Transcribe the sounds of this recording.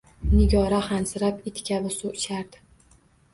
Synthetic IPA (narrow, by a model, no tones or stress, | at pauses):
nɪɡʲɒɾahansɪɾapɪt̪kʲavɪsuʃaɾd̪̥ɪ̥